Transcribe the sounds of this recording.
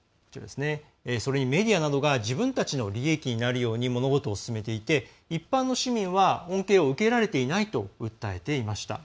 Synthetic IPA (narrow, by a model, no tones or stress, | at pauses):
kot͡ɕiɾa̰d̪e̞sɨne̞ | so̞ɾe̞ɲ̟ime̞d̪ʲianad̪o̞ɡaʑibɯ̟̃nt̪at͡ɕino̞ɾʲie̞kʲiɲ̟inaɾɯ̟jo̞ːɲ̟imo̞no̞ɡo̞t̪o̞ːsɨ̥sɨme̞t̪e̞it̪e̞ | ipːãnːo̞ɕimʲĩɰ̃βaõ̞ŋke̞ːoɯ̟ke̞ɾaɾe̞t̪e̞inait̪o̞ɯ̟t̪ːae̞t̪e̞imaɕi̥t̪a̰